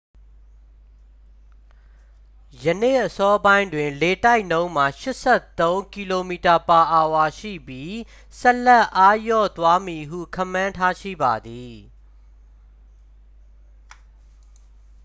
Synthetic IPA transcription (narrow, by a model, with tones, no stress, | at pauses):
jə˨nḛ˦˨ʔəsɔ˦bã˦ɪ̃ndwɪ̃˨nle˨ta˦ɪʔnõ˦ʊ̃m̥a˨ʃɪ˦ʔsɛ˦˨t̪õ˦ʊ̃ŋki˨lo˨mi˨ta˨pa˨ʔa˨wa˨ʃḭ˦˨bji˦ | sɛ˦lɛ˦˨ʔa˦jɔ̰˦˨t̪wa˦mi˨ɦṵ˦˨kʰã̰˦˨mːã˦ntʰa˦ʃḭ˦˨ba˨d̪i˨